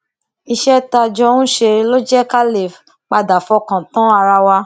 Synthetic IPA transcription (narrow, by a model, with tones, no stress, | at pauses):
i˧ʃɛ˦ta˧d͡ʒɔ˧ũ˦ʃe˧ɾi˦lo˦d͡ʒɛ˦ka˦le˨f | k͡pa˧da˨fɔ˧kã˨tã˨˦a˧ɾa˧wa˧